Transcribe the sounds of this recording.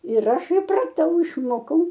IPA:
ɪr ˈɐʃ ɪprɐˈtɐʊ ɪʃˈmoːkɐʊ

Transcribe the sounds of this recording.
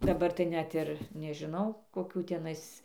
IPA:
dɐˈbɐr tɐɪ ˈnʲɛt ɪr nʲɛʒʲɪˈnɐʊ koːˈkʲuː tʲɛˈnɐɪs

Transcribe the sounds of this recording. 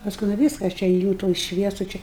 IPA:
pɐsˈkʊɪ nʊ ˈʋʲiːskɐ ɐʃ ˈt͡ʃʲɛ eːˈjuː tuɔj ˈʃʲʋʲiɛsʊ t͡ʃʲɛ

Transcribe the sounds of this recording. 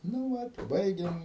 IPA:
nʊ ˈʋɐt ɪ ˈbɐɪɡʲɛm

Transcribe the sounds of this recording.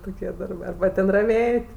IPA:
ˈtoːkʲiɛ ˈdɐrbɜ ɐrbɐ ˈtʲɛn rɐˈʋʲeːtʲ

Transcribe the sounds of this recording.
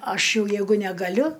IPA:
ˈɐʃ ˈjɛʊ ˈjɛɪɡʊ nʲɛɡɐˈlʲʊ

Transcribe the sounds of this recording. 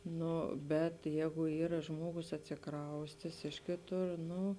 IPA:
ˈnoː bʲɛt ˈjɛːɡʊ ˈiːrɐ ˈʒmuɔɡʊs ɐtʲsʲɪˈkrɐʊsʲtʲeːs ˈɪʃ kʲeːˌtʊr ˈnʊ

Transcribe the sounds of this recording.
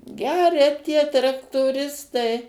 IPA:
ˈɡʲæːrʲɛ tʲiɛ trɐktoːˈrʲɪstɐɪ

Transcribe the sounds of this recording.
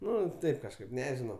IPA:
ˈnʊ ˈtɐɪp kɐʃˈkɐɪp ˈnʲæːʒʲɪnɐʊ

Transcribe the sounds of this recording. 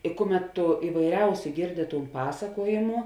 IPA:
ɪ ˈkʊˌmʲɛt tʊ ɪʋɐɪˈrʲɛʊsʲʊ ˈɡʲeːrʲdʲɪ ˈtuːn ˈpɑːsɐkuɔjeːmʊ

